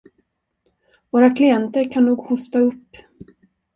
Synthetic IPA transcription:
voːɾakʰlɪɛnt̪əɾkʰanːuːɡhʊst̪aɵpː

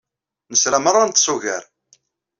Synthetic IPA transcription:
nəsɾæmərˤːant̪ːsuʝæ̰ɾ

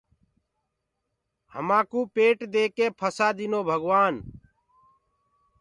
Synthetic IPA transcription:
hə̰mãːkũːpeːʈd̪eːkeːpʰəsaːd̪ɪnoːbʱəɡʋaːn

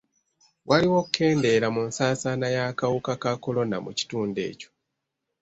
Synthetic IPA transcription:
wʔaliwo̞kukʰːe̞ːnde̞ɾamunsaːsanajakawukakako̞lo̞namṵci̥tuːnde̞̰ːco̞̥

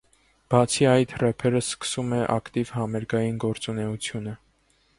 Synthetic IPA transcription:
b̥ɑt͡sʰiɑjt̪rɛpʰɛɾəskə̥sumɛʔɑ̰kt̪ivhɑmɛɾɡɑjinɡɔɾt͡sunɛut͡sʰjunə

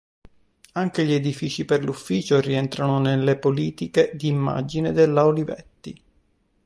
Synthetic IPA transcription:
aŋkeʎied̪ifiːt͡ʃiperlufːiːt͡ʃorient̪ɾanonelːepoliːt̪iked̪iːmːa̰d͡ʒined̪elːaolivɛ̰t̪ːḭ

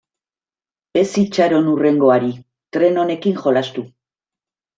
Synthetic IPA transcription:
e̞sit͡ʃaɾo̞nure̞ŋɡo̞aɾi | t̪ɾe̞no̞ne̞kiŋʝo̞last̪u

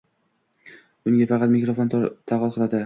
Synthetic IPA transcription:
ʊŋɡʲafɑqɑt̪mɪkɾofont̪ʰaʁɒlˠqʰɨlˠad̪ɪ

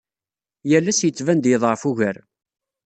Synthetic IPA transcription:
jælːæsjət͡sːvænd̪jəðˤʁfuʝəɾ

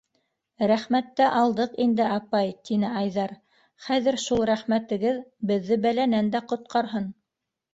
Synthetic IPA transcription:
ɾæχmæt̪ːæʔɑlˠd̪ɤqind̪ɘɑpɑjt̪inɘɑjðɑɾ | χæðɘ̆ɾʃulˠɾæχmæt̪ɘ̆ɡɘðbɘ̆ðːɘbælænænd̪æqŏt̪̚qɑɾɦɤn

